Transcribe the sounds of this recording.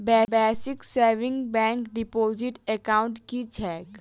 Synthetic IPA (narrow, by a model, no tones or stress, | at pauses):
bɛːbɛːsɪkseɾʋɪ̃ŋɡbɛ̃ːŋkɖɪpoːzɪʈɛkaːʊ̃ɳʈkit͡ʃʰɛːk